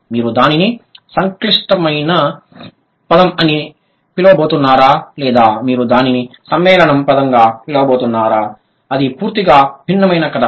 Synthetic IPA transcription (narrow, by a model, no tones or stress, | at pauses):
miːɾud̪aːninisɐŋkliʂʈɐmɐjnɐ | pɐd̪ɐmɐni | pilɐʋɐboːt̪unːaːɾaːlɛːd̪aːmiːɾud̪aːninisɐmʋɛːlɐɳɐmpɐd̪ɐŋɡaːpilɐʋɐboːt̪unːaːɾaː | ɐd̪ipuːɾt̪iɡaːbʱinːɐmɐjnɐkɐd̪a